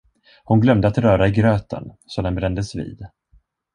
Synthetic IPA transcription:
hʊnɡlœmd̪əat̪ɾœːɾaɪɡɾøːt̪ə̰n | sɔd̪ɛnbɾɛnd̪əsvḭːd̪

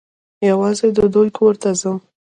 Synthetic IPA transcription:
jawɑzed̪əd̪ojkʰoɾt̪azəm

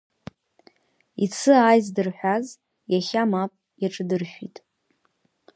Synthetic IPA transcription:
it͡sʰɨaːjzdɨrħʷᶣaz | jaχʲamapʼ | jaʈ͡ʂʼɨdɨrʃᶣḭtʼ

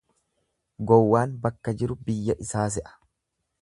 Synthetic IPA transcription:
ɡɔwːaːnbɐkːɐd͡ʒɪɾʊbɪjːɐʔɪsaːs̬ɛʔɐ̥

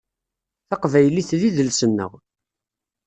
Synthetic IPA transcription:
θɑqvæjliθðiðəlsənːə̰ʁ

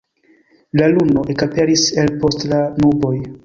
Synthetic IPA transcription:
lalunoʔekape̞ɾiselpo̞stlanubo̞j

